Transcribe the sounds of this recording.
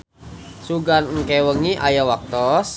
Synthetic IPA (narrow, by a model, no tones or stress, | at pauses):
suɡanŋkɛwəŋiʔa̰jawak̚t̪ɔs